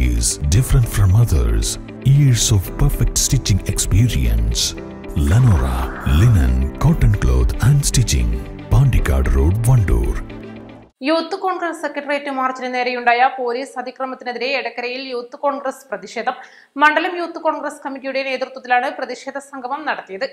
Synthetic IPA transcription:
ḭsɖifɾɐ̃ɳʈfɾɐ̃mɐðɐ̰ɾs | iɾsoʋpɐɾfek̚ʈsʈit͡ʃːĩŋɡekspiːɾḭɐ̰̃ns | lɐnoːɾa̰linɐ̰̃nkoʈːɐnklo̰ːd̪ɐ̃ɳɖstit͡ʃːḭ̃ŋ | paːɳɖika̰ːɖroːɖʋɐɳɖṵːr | juːt̪ːɨkoːɳɡrɐsekːɐʈɐrijetːɨmaːrt͡ɕːinɐne̞ːɾɐjuɳɖaːjɐpo̞ːliːsɐd̪ʱikrɐmɐt̪ːineðiɾe̞ːɽɐkːɐɾɐjiljuːt̪ːɨko̞ːɳɡrɐsprɐðiʂeːd̪ʱɐmː | ɐɳɖɐlɐmjuːt̪ːɨko̞ːɳɡrɐskɐmːikʲːijuɽene̞ːt̪rɨt̪wɐt̪ːilaːɳɨprɐðiʂeːd̪ʱɐsɐŋɡʱɐmɐmnɐɽɐt̪ːijɐðɨ

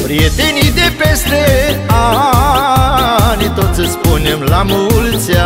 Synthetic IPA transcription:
pɾijet̪enid̪epe̞st̪ea | nit̪o̞t̪sʲəspunemlamult̪sʲja

